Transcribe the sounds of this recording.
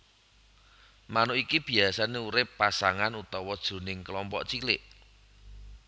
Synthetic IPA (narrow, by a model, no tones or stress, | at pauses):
manʊikib̥i̤asaneuɾɪpːasaŋanut̪ɔwɔd̥ʒ̥o̤nɪŋkəlɔmpɔ̰ʔt͡ʃilɪʔ